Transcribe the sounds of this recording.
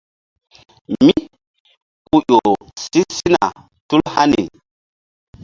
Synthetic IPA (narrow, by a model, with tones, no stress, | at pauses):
mi˦ | ku˦jo˨si˦si˦na̰˨ | tu˦lha˦ni˨